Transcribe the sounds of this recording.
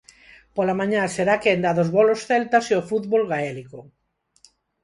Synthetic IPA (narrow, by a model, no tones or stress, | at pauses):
polamãɲaseɾakend̪aðozβolosθelt̪aseofuðβolɣaeliko